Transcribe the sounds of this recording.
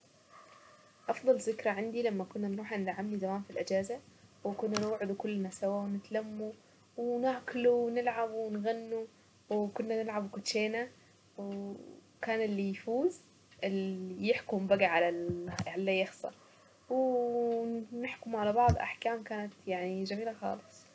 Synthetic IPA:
ʔɑfðˤɑlzɪkɾaʕɪnd̪ilamːakʊnːanɾˤuːħʔand̪ʕamnizamaːnfilʔɪd͡ʒaːzawkʊnːanɪwʕɪd̪ukʊlːnasawawnɪt̪lamːu | wnaʕkluwnɪlʕabwɪnɣanːu | wkʊnːanɪlʕabwkʊt̪ʃeːna | w | kaːnɪlːijfuːz | ɪljɪħkʊmbaɡaʕalalʕalːajɑxsˤɑ̰ | w | nɪħkʊmʕalabɑʕd̪ˤʔa̰ħkaːmkaːnat̪jaʕnid͡ʒamiːlaxɑ̰ːlɨsˤ

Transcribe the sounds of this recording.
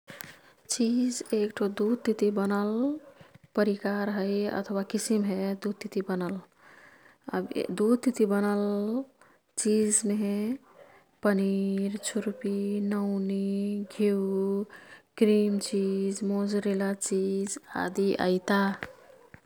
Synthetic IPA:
t͡ʃid͡ʒekʈʰod̪ud̪̚t̪it̪ibənəl | pəɾikaɾɦəjə̰t̪ʰwakisimɦed̪ud̪̚t̪ːit̪ibənəl | ə̰bd̪ud̪̚t̪it̪ibənəl | t͡ʃid͡ʒme | pəniɾt͡ʃʰuɾpinəʊniɡʱiu | ɡɾimt͡ʃid͡ʒmod͡ʒɾelat͡ʃid͡ʒa̰d̪iʔə̰ɪt̪a

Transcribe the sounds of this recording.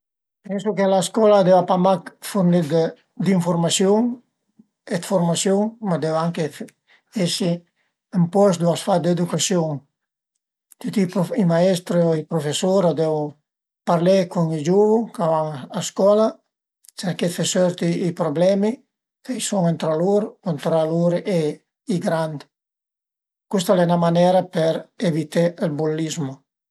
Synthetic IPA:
pɛŋsukelaskɔlad̪ɛwapamakfuɾnid̪ | d̪iɱfuɾmasjuŋ | et̪foɾmasjuŋmad̪ɛwaŋke | ɛsi | empɔs̬d̪uasfad̪ed̪ukasjɔŋ | t̪it̪iimaɛst̪ɾioipɾofesoɾad̪ɛw | paɾlekuŋid͡ʒuvukavaŋaskɔla | seɾket̪fesøɾt̪iipɾoblɛmi | kajsɔŋent̪ɾaluɾkont̪ɾaluɾe | iɡɾand̪ | kust̪alɛnamanɛɾapɛɾevit̪elbulːizmu

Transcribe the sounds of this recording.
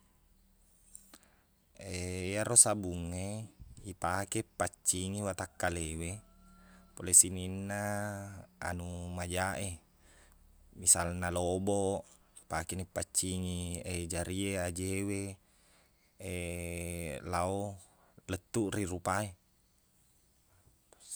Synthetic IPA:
ejaɾosabuŋːeipakepːat͡ʃːiŋiwat̪akːalewe | polesininːa | a̰numad͡ʒaʔe | misalnaloboʔ | pakenipːat͡ʃːiŋied͡ʒaɾiead͡ʒewe | e | lao | lət̪ːuʔrirupae

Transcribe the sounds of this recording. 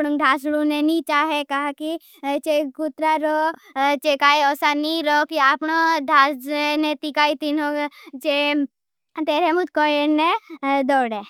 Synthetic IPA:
ɽũŋɖ̪ʱaːsɽũnenit͡ʃaːɦekaɦaki | t͡ʃeɡut̪ɾaɾɔt͡ʃekaːiɔːsaniɾɔkiaːpɳod̪ʱasnet̪ikaːit̪inõt͡ʃe | t̪eːɾemut̪kɔened̪ɔːɽe

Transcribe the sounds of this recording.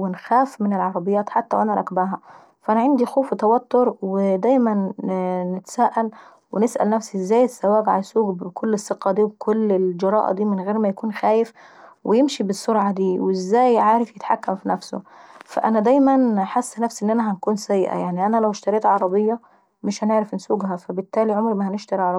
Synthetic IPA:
wenxæːfmɪnelʕɑɾˤɑbejːæːt̪ħat̪ːæwʔænæɾˤɑ̰kbæːɦæ | fʔænæʕend̪ixoːfwet̪æwæt̪ːoɾˤwed̪æjmænː | et̪æ̥sæːʔæl | wenesʔæ̰lnæfsiʔezːæːjesːæwæːɡʕalæsuːɡbkʰolːesːeqːɑd̪iːwbkʰolːeld͡ʒɑɾˤɑ̰ːʔd̪iːmenɣeːɾmæjækuːnxæːjef | wejemʃibesːoɾʕad̪iːweʔezːæːjʕaːɾefjet̪ħakːæmfinæfso̰fæ̰ʔænæd̪æjmænħasːnæfsʔenːʔænæɦænkuːnsæjːʔæ̰jaʕniʔænælæwʃt̪ɑɾeːt̪ʕɑɾˤɑbejːɑ | meʃhæneʕɾæfnsuːɡhæfæbet̪ːæːliʕomɾmæhæneʃt̪ɑɾiʕɑɾˤ

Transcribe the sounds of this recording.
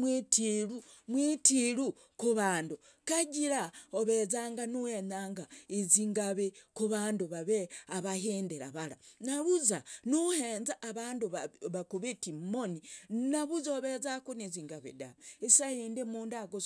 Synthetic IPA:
wetiɾumwitiɾu | kuβaːndu | kaɟiɾaoβezaːŋɡanuheɲaːŋɡaeziŋɡaβekuβaːnduβaβeaβaheːndeɾa̰βaɾanaβuzanuheːnzaʔːβaːnduβaβakuβetimoninaβuzoβezakuneziŋɡaβḛda̰esajendemuːndaɡo

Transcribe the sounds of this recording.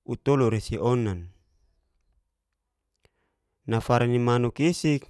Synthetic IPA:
ut̪ɔluɾesiʔɔnan | nafaɾanimanukisik

